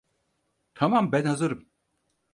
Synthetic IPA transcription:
t̪ʰamambænhazɯɾɯm

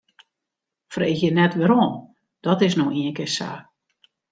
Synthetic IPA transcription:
freːxjənɛtʋəɾɔːn | d̥ɔtɪsnoiənkɪsa̰ː

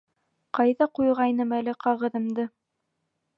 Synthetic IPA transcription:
qɑjðɑqujʁɑjnɤmælɘqɑʁɤ̆ðɤ̆md̪ɤ

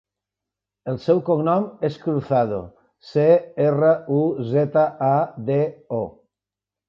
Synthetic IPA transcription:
elˠsɛwkoŋnɔmeskɾuθað̞o̰ | seerəuzɛt̪aʔad̪eɔ

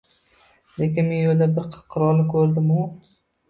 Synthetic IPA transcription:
lekʲɪnmenjold̪abɪɾqʰqʰɨɾɒlˠɪkʲʰɵɾd̪ɪmʊ

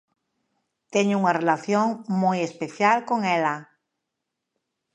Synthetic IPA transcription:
t̪eɲʊuŋarelaθjoŋmojespeθjalkoŋɛla

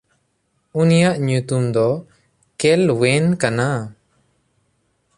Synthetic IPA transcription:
unijaʔɲut̪umd̪ɔ | kɛlwɛnkana

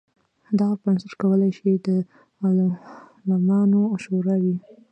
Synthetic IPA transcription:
d̪aɣapansɪɾkawəlajʃid̪ə | mɑllamɑnoʃoɾɑwi

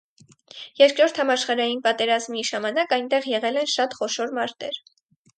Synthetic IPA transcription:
jɛɾkɾɔɾt̪ʰhɑmɑʃχɑɾɑjinpɑt̪ɛɾɑzmiʒɑmɑnɑkɑjnt̪ɛʁjɛʁɛlɛnʃɑt̪χɔʃɔɾmɑɾt̪ɛ̰ɾ

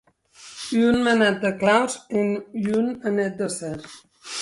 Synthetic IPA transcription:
yunmənat̪̚d̪əklawzenynənɛt̪̚d̪əsɛɾ

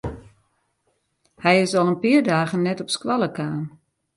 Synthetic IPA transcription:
hɛjɪsɔlˠənpiərdaːɣənːɛtɔpskwalˠəkaːn

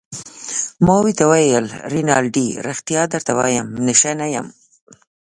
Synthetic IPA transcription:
moːwit̪awajəlɾinɑlɖiɾɪxt̪ijɑːd̪aɾt̪awa̰jamnɪʃanaja̰m

